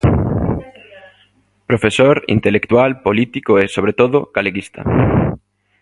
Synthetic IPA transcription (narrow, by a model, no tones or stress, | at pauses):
pɾofesoɾḭnt̪elekt̪walpolit̪ikoesoβɾet̪oðoɡ̥aleɣist̪a̰